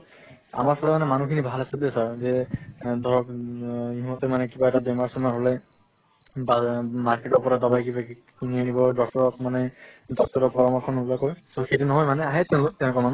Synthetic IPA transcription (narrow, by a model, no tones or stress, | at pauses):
a̰maɹpʰɔlɔmanɛmanukʰinibʱalasabiɛsaɹzɛd̪ʱɔɹɔkiɦimɔtɛmanɛkibaɛtabemaɹsɔmaɦolɛ | bamaɹketɔɹpɔɹadɔbajkiba | nianibɔdɔk̚tɔɹɔk̚manɛdɔk̚tɔɹɔpɔɹɔmɔɹkʰɔnɔbɔlakojsoxetunɔɦɔjmanɛaɦɛtɛʊ̃lok̚tɛʊ̃nʊkɔɹmanu